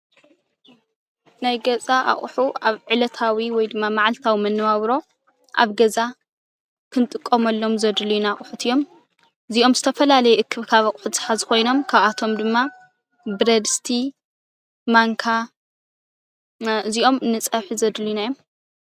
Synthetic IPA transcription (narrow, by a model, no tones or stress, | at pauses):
najɡɐt͡sʼaʔa̰χʼħuaβʕɨlɐt̪ʰawiwɔjd̪ɨmːamaʕalt̪ʰawimɐnːɐβaβɾo̞ | ʔa̰βɡɐza | kʰɨnt̪ʼɨkʼːɐmɐlːo̞mzɐd̪luijnaχʼʊħut̪ʰɨjo̞m | ɨziʔo̞mzɨt̪ʰɐfɐlalɐjɛʔɨkʰːɨβkʰaβaχʼħuzɨħazkʰo̞jno̞mkʰaβat̪ʰo̞md̪ɨmːa | bɨɾɐd̪ɨst̪ʰi | maŋkʰa | ɨziʔo̞mɨnɨt͡sʼɐβħizɐd̪linajom